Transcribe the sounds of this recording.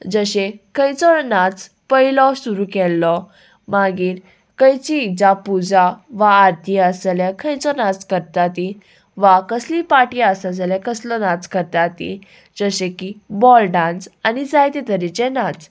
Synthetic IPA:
d͡zəɕekʰə̃jt͡sɔnat͡s | pəjlɔsuɾukɛlːɔ | maɡiːɾ | kəjt͡ɕid͡zapud͡zaʋaːɾt̪ʰiəsljakʰə̃jt͡sɔnat͡skəɾt̪at̪i | ʋakəslipaʈiəsad͡zəlakəslɔnat͡skəɾt̪at̪ḭ | d͡zəɕẽkibɔlɖãnsanid͡zajt̪et̪əɾit͡senat͡s

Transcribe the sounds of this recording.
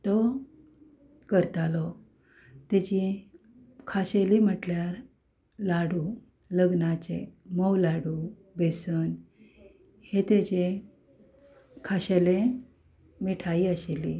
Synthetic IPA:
t̪ɔ | kəɾt̪alɔ | t̪et͡ɕi | kʰaɕelim̤əʈljaɾ | laɽu | ləɡnat͡ɕḛmɔwlaɽu | besən | het̪et͡ɕe | kʰaɕele | miʈʰaiəɕeli

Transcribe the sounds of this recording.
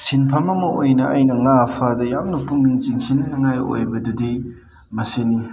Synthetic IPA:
sinpʰɐmɐmɐojnɐʔajnɐŋapʰadɐjamnɐpuŋniŋt͡ʃiŋsinnɐŋajo̰jbɐdudi | mɐseni

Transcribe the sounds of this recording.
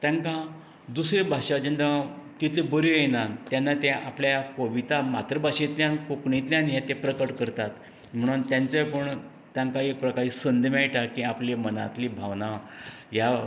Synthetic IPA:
t̪jãŋkã | d̪usɾebʱaʂad͡ʑend̪at̪it̪ebəɾujenant̪janːat̪ẽʔapljajakoʋit̪amat̪ɾəbʱaɕẽt̪ljãnkokɳĩt̪ljãnjat̪epɾəkəʈkəɾt̪at̪ | m̤əɽ̃uːnt̪jãnt͡səjpəɳ | t̪jãŋkaek̚pɾəkaɭiːsənd̪majʈakĩapleməna̰t̪libʱaʋna | ja

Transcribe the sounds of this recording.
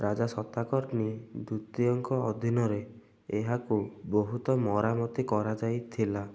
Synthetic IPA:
ɾad͡ʒasɔt̪akɔɾnid̪ut̪iɔŋkɔɔd̪ʱinɔɾe | eɦakuboɦut̪ɔmɔɾamɔt̪ikɔɾad͡ʒajt̪ʰila

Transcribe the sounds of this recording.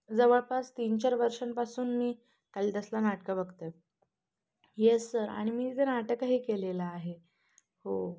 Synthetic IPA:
d͡zəʋəɭpast̪int͡ɕaɾʋəɾʂənpasuːnmiː | k̪aliːt̪əslanaʈkabəɡt̪e | jesːəɾa̰ɽ̃imiːt̪ʰenaʈəkaɦiːkelelaːɦe | ho

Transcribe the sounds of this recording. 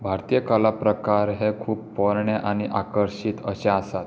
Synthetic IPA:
bʱaɾt̪ijəkəlapɾəkaɾɦekʰuːppɔɾɳeʔañiʔakəɾɕit̪əɕẽasat̪

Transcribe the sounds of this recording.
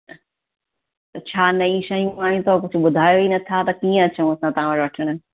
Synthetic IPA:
t̪ɐt͡ɕʰaːnɐĩʃɐijũaːjĩt̪ʰokʊd͡ʑʱʊ̆ɓʊd̪ʱaːjoinɐt̪ʰat̪ɐkiːə̃t͡ɕɐũɐsãt̪ɐɦãʋɐɾʋɐʈʰəɽ̃ə

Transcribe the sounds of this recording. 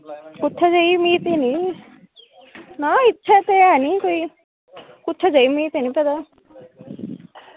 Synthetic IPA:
kʊt̪ʰːad͡ʒaimiːt̪enĩ | naɪtːʃʰat̪eaniːkoi | kʊt̪ʰːad͡ʒaimiːt̪enĩpɛd̪a

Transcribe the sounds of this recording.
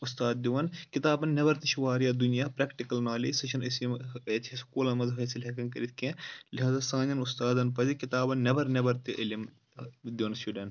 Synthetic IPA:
ust̪aːd̪̚d̪iʋɐnkit̪aːbɐnnɐbɐɾt̪iʃuʋaːɾijaːd̪unijaːpɾɐkʈikɐlnaːlisɐt͡ʃʰɐnɐsiet̪ʰiskuːlɐnmɐnzfɐːsilɦekɐnkɐɾit̪ʰkẽliɦaːzaːsãːnɐnust̪aːd̪ɐnpɐzikit̪aːbɐnnɐbɐɾnɐbɐɾt̪iʔɐlim | d̪iʋɐnsuɖɐn

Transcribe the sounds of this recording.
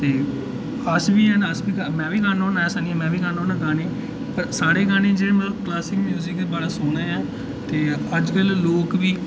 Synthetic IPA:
t̪eː | əsʋiːɛ̃naəsbiːɡamɛ̃ːʋiːɡaːnoːnaːɛːsaːnijãːmɛ̃ːʋiːɡaːnoːnãːɡaːneː | pəɾsaːɽeːɡaːnẽːd͡ʒeːmɛ̃klaːsɪkmjuːzɪkd̪eːbaːɽaːsʊːnaːjãː | t̪eːəd͡ʒkəlloːkʋiː

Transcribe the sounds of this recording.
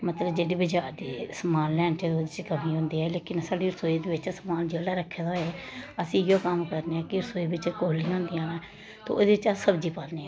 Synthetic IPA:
mət̪ləbd͡ʒeːɽeːbəd͡ʒaːɾd̪iːsəmaːlːɛːɳʈɛːoːd̪ɪt͡ʃkəmĩːɦʊ̃ːnd̪iːɛːleːkɪnsaːɖiːɾəsoːiːd̪eːbɪt͡ʃsəmaːld͡ʒeːlaːɾəkʰːeːd̪aɦoːɛːəsĩːjõːkəmkəɾneːãːkɪɾsoːiːbɪt͡ʃkoːliɦõːnd̪ijãːnãː | t̪o̰ːod̪eːɪt͡ʃasəbd͡ʒiːpãːlniːɛ̃

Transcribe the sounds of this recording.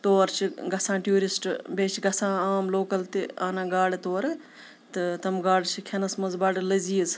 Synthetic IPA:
t̪oːɾt͡ʃʰiɡɐsãːʈjuːɾisʈbeːt͡ʃʰɡɐsãːaːmloːkɐlt̪iaːnãːɡaːɽt̪oːɾ | t̪ɨt̪ɐmɡaːɽt͡ʃʰikʰenɐsmɐzbaːɽlɐziːz

